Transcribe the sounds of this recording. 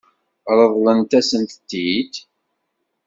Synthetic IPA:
ɾˤəðˤlənt̪æsənt̪t̪ːid̪

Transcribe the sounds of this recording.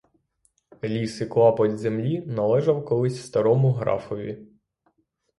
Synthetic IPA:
lʲisɪklˠɑpɔdʲzemlʲinɐlˠɛʒɐwkɔlˠɪsʲwst̪ɐɾɔmʊɦɾɑ̰fɔʋʲi

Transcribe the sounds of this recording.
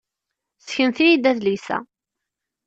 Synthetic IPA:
sçənθijid̪æðlisæ̰

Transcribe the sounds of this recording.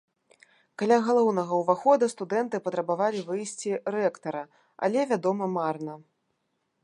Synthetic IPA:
kalʲaɣalˠɔwnɐɣɐwvaxɔd̪ɐst̪ud̪ɛnt̪ɨpɐt̪ɾɐbavalʲivɨjsʲt͡sʲiɾɛkt̪ɐɾɐ | a̰lʲɛvʲad̪ɔmɐmarnɐ

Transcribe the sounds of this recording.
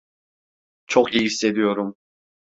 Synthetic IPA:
t͡ʃʰokijiisːe̞d̪ijo̞ɾum

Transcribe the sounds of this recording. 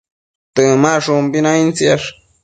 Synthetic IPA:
t̪ɨmaʂumbinaĩnt͡siaʂ

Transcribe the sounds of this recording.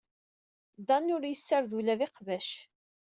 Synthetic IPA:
d̪ɑnʊɾjəsːəɾðulæðɪqvæʃ

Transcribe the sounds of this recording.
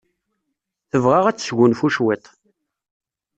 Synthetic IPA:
θəvʁaʁæt͡sːsʝʷʊnfuʃwit̪ˤ

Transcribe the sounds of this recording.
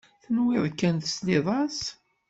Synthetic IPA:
θənwɪðˤkːænt̪əslɪðˤɑs

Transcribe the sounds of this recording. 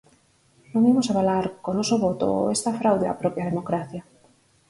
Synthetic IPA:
nõŋimosaβalaɾkonɔsoβɔt̪o̰est̪ɐfɾawðea̰pɾɔpjað̞emokɾaθja

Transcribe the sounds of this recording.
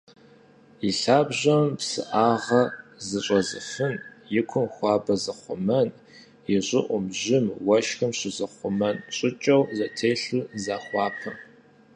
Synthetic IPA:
iɬaːbʑɐmpsɨ̰ʔaːʁɐzɨɕʼɐzɨ̰fɨnjɪkʷʰʊmxʷɑːbɐzɐχʷʊmɐn | jɪɕʷʼɪʔʷʊmʑɪmwɐʃxɨmɕɪzɨχʷʊmɐnɕʼɪt͡ʃʼɐwzɐtʰeːɬuzaːxʷɑːpʰɐm

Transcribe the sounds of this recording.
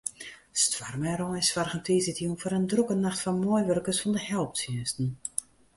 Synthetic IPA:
stʋarmɛɾɔsfarɣəntiːzɪtjunfɔɾəndrukənːaxtfɔnmɔjʋørkəsfɔndəhɛlˠp̚tsiənstn̩

